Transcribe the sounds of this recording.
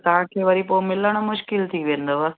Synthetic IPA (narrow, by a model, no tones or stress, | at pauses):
t̪aakʰeːʋɐɾipomɪləɽ̃omʊʃkɪlt̪ʰiʋẽːnd̪oʋɐ